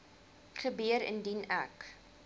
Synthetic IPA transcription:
χəbiəɾə̰ndinæ̰k

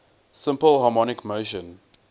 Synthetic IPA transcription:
sɪ̃mpəlˠɦɑmɔnɪkmoʊʃə̃n

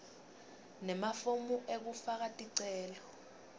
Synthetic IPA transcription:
nɛmafomuʔek̬ufak̬atʼiǀɛːlɔ

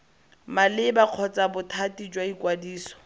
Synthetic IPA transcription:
malɪbaq͡χʰɔt͡sabʊtʰatid͡ʒwaikwadiːsɔ̥

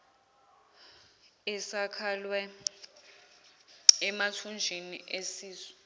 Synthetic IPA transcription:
ɛsakʰalwɛ | ɛmatʰund͡ʒʱiniʔesiːzɔ̥

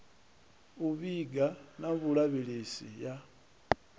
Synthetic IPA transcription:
uβiɡanaβulaβilisḭja

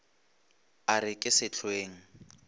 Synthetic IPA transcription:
aɾɪkʼɪsɪt͡ɬʰweːŋ̩

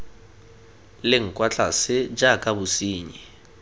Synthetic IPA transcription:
lɪŋ̩kʼwat͡ɬʼasɪd͡ʒakʼabʊsiːɲi

